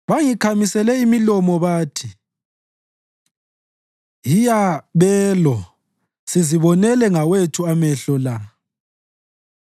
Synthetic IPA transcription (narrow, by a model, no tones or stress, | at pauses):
βaŋikʰamisɛlɛimilɔmɔβaːtʰi | jijaβɛːlɔ | siziβɔnɛlɛŋawetʰuamɛɬɔla